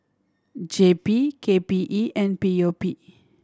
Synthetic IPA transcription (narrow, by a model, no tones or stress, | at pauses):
d͡ʒepikepiʔiʔɛ̃npiopi